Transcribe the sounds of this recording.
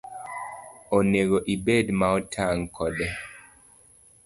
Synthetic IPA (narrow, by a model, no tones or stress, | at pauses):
oneɡoʔibedmaɔtʰaŋkʰɔdɛ